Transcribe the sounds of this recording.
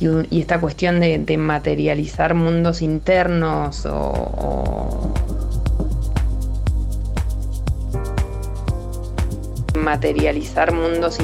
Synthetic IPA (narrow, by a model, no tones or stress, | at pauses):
uḭe̞st̪ak̬we̞st̪jo̞nd̪e̞d̪e̞mat̪e̞ɾjalisaɾmũnd̪o̞sint̪eɾnoso̰o̰ | mat̪e̞ɾjalisaɾmũnd̪o̞s